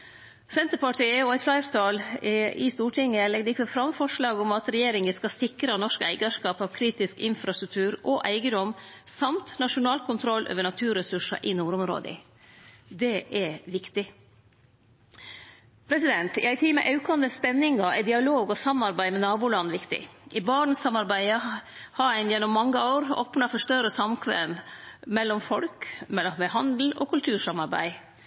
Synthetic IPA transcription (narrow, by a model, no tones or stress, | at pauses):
sɛnt̪əpɑʈʰiəɔæɪflæɪɾt̪ʰɑlɪ̰st̪uːʈʰɪŋːəlɛɡd̪əɪkːəfɾɑmfɔʂɭɑːɡɔmɑt̪ɾɛjeːɾɪŋəskɑsɪkɾɑnɔʂkæ̰ɪɡɑʂkɑːpɑːʋkʰɾiːt̪ɪskɪnfɾɑst̪ɾʉk̚t̪ʰʉːɾɔʔæɪɡəd̪ɔmsɑmt̪nɑʂʊnɑːlkʊnt̪ʰɾɔlːʔø̰ːʋəɳɑt̪ʰʉːɾɛsʉʂɑ̰ʔɪnuːɾʊmɾo̰ːd̪ə̰ | d̪ɛʔɛʋɪkt̪ɪ | pʰɾɛsɪd̪ɛnt̪ɪ̰æɪt̪ʰiːmɛ̰ʔɑʉkɑnd̪əspɛnːɪŋɑʔɛd̪ɪɑloːɡɔsɑmɑɾbæɪmɛnɑːbuːlɑnːʋɪkt̪ɪ̰ʔɪbɑːɳ̩sɑmɑɾbæɪə | hɑæɪnjɛnːɔmːɑŋːəoːɾo̰ːpnɑfɔʂt̪œɾəsɑmkʰʋɛ̰mmɛlːɔmfɔlkmɛmɛɦɑnd̪l̩ɔ̰ːkʉlt̪ʰʉːɾʂɑmɑɾbæ̰ɪ